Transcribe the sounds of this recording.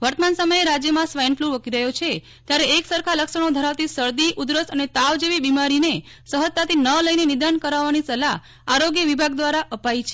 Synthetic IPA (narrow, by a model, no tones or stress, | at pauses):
ʋəɾt̪əmansəməjeɾad͡ʒjəmãsʋajnfluʋəkiɾəɦjot͡ʃʰe | t̪jaɾeːksəɾkʰaləkʃəɳod̪ʱəɾaʋt̪isəɾd̪iʔud̪ɾəsənet̪aʋd͡ʒeʋibimaɾine | səɦət̪ːat̪inələinenid̪ankəɾaʋːanisəla | aɾoɡjəʋibʱaɡd̪ʋaɾaʔəpait͡ʃʰe